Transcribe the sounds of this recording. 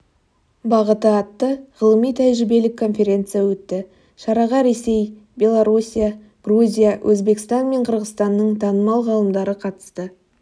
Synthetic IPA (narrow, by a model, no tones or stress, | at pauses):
bɑʁət̪əɑt̪ːəʁəlˠəmijt̪ʰæjʒɪbe̞lɪkʰːo̞nfʲe̞ɾʲe̞nt̪sɨjawɵt̪ːɪ | ʃɑɾɑʁɑɾe̞se̞j | bʲje̞lˠoɾusʲija | ɡ̥ruzʲijawʔɵzbe̞kɪ̥st̪ɑnme̞ɴqʰəɾʁəst̪ɑnːəɴt̪ʰɑnəmɑlˠʁɑlˠəmd̪ɑɾəqʰɑt̪ə̥st̪ə